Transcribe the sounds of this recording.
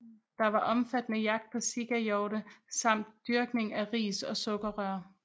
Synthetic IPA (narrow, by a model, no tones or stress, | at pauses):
d̥ɑ̈ʋɑ̈ʔɒ̽mfæd̥nəjɑ̈ɡ̥̚d̥̚pʰɒ̽siɡ̥æjɒʊɾəsɑ̈m̰d̥ːyɐɡ̥ne̝ŋæʁḭːsɒ̽sɔ̽ɡ̥ɐʁɶɐ̰